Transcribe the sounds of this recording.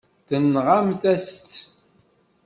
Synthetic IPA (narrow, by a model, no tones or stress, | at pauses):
θənːʁamθæst̪ː